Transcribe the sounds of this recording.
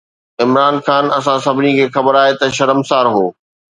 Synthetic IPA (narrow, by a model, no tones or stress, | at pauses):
ɪmɾaːnxaːnɐs̬ãsɐbʱɪnikʰeːxɐbəɾaːɦet̪ɐʃɐɾəmsaːɾɦoː